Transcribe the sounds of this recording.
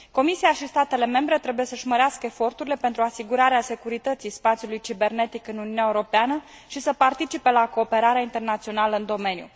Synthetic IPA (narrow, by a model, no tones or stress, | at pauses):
ko̞misiaʃist̪at̪e̞le̞me̞mbɾe̞t̪ɾe̞bujesəʒməɾeaskəefo̞rt̪uɾile̞pe̞nt̪ɾuasiɡuɾaɾease̞kuɾit̪ət̪sijspat̪sjulujt͡ʃibe̞rne̞t̪ikɨnuniunʲaeuɾo̞peanə | ʃisəpart̪it͡ʃipe̞lako̞ːpe̞ɾaɾeeaint̪e̞rnat̪sio̞naləɨnd̪o̞me̞njṵ